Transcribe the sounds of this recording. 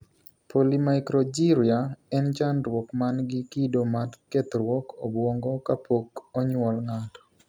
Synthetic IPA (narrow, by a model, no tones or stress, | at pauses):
polimajkɾɔd͡ʒiɾiaɛnt͡ʃanɾwɔkmanɡɪkidomatket̪ɾwɔkʰobwɔŋɡɔkapʰokɔɲwɔlŋatɔ̥